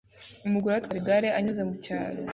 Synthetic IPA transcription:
umuɡuɾatwaɾiɡaɾeʔaɲuzemuca̰ːɾo̰

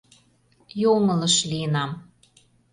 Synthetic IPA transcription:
jomɤ̆lɤ̆ʃliənɑm

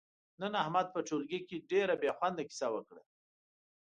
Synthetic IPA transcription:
nənahmad̪̚pəʈ͡ʂolɡikeɖeɾabjɑxwand̪aki̥sawəkɽa̰

